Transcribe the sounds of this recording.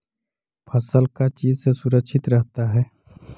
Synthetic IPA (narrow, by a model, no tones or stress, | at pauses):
pʰəsəlkat͡ʃiːzsesʊɾəkʃʰɪt̪ɾəɦt̪aɦɛː